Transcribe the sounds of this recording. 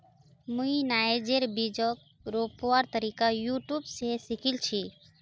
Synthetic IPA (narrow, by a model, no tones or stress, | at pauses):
mũinaed͡ʒeɾbid͡ʒɔk̚ | ɾopoaɾt̪əɾikajuʈjubsesikʰilt͡ʃʰi